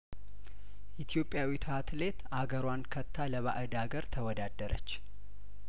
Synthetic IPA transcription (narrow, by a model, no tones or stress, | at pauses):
ʔit̪ʰjo̞pʼːjawit̪ʰəhat̪ʰle̞t̪ʔaɡəɾwankʰət̪ʰːaləβa̰ʔɨd̪aɡəɾt̪ʰəwɔd̪ad̪ːəɾʔə̰t͡ʃː